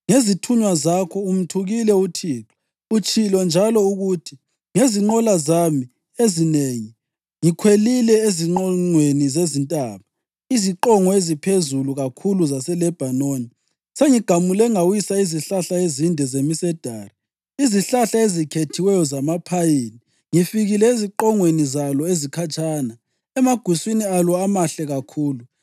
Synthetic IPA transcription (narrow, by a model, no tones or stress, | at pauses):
ŋezitʰuɲwazakʰɔum̩tʰuɣilɛutʰiːǁʰɔ̥ | ut͡ʃʰʼilɔnd͡ʒʱalɔuɣutʰi | ŋeziŋ͡ǃɔlazami | ezineŋi | ŋikʰwelilɛeziŋ͡ǃɔŋ͡ǃwenizezintʼaːβa | iziǃɔŋɔezipʰezuluɣakʰuluzasɛlɛb̥ʱanoːni | seŋiɡ̥ʱamulɛŋawisaiziɬaɬaezindʱɛzemisɛd̥ʱaːri | iziɬaɬaezikʰetʰiwɛjɔzamapʰajini | ŋifiɣilɛiziǃɔŋwenizalɔezikʰat͡ʃʼaːna | ɛmaɡ̥ʱwiswinialɔamaɬɛɣakʰuːlu